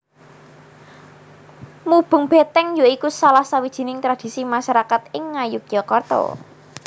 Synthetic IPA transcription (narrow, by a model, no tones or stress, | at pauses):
mub̥ʊ̤ŋb̥e̤t̪ɛŋjoikusalahsawid̥ʒ̥i̤nɪŋt̪ɾad̪̥i̤simaʃaɾakat̪ɪŋːajʊk̚jɔkɔrt̪ɔ̰